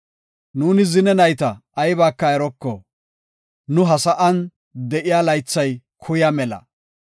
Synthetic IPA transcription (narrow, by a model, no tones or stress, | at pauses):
nuːnɪzɪnɛnɐjt̪ɐːjbaːkːɐɛɾɔkːɔ | nʊɦɐsɐʔɐn | d̪ɛʔɪjaːlɐjt͡sːɐj | kʰʊjamɛlɐ̰